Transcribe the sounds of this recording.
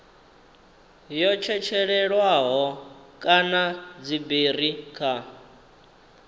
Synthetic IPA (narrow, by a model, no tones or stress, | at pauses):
jɔt͡ʃʰɛt͡ʃʰɛɺɛɺwaɦɔkʼanad͡ziberikʰa